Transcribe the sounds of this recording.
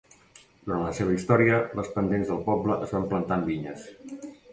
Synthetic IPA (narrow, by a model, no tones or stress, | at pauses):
d̪uɾanləseβəist̪ɔɾiələspənd̪enzðəlˠpɔbləʔəzβamplənt̪anbiɲəs